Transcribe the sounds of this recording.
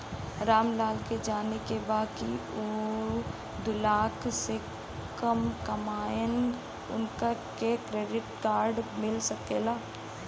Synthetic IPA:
ɾaːmlaːlked͡ʒaːnekebaːkioː | d̪ʊlaːkse | kəmkɐmaːjən | ʊ̰nka | kekɾeːɖɪʈkaːɾɖmɪlsɐkeːlaː

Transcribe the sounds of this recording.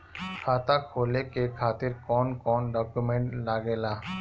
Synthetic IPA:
kʰaːt̪akʰoːlekekʰaːt̪ɪɾkɔːnkɔːnɖɔːkjumẽɳʈlaːɡelaː

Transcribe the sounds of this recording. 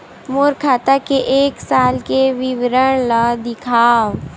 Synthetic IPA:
moːɾkʰaːt̪akeʔeːksaːlkeʋɪʋɾəɽ̃lad̪ɪkʰaːʋ

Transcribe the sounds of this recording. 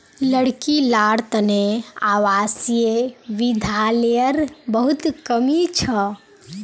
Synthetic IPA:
ləɽkilaɽt̪əneawasijeʋid̪ʱaljəɾbəɦut̪kəmit͡ʃʰə

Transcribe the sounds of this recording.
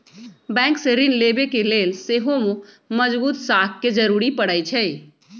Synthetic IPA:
bɛ̃ŋkseɾinlebekelelseɦomũ | məd͡ʒbuːt̪sakked͡ʒəɾuɾipəɽət͡ʃʰɛj

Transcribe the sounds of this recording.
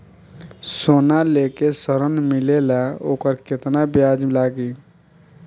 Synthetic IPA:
sonalekesəɾənmilelaoːkəɾket̪nabjad͡ʒlaɡi

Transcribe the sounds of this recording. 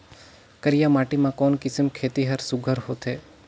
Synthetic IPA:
kəɾijamaʈimãkɔːnkɪsəmkʰet̪iɦəɾsuɡʱəɾhot̪ʰe

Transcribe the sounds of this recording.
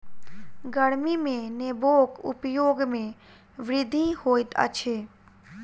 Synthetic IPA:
ɡəɽmimẽneboːkʊ̰pjoːɡmẽ | ʋɾɪd̪ʱihoːɪt̪ə̰t͡ʃʰeː

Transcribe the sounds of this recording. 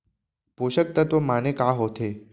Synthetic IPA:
poɕək̚t̪ət̪ʋəmanekaɦot̪ʰe

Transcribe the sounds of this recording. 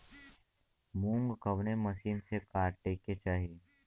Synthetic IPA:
mũːŋɡkɐʋnemɐʃiːnsekaːɾʈeːkːet͡ʃaːɦiː

